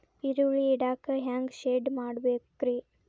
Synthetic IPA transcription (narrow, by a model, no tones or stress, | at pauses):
iɾuɭiːɽaːkɐɦaːŋɡʃeːɖmaːɽbeːkɾi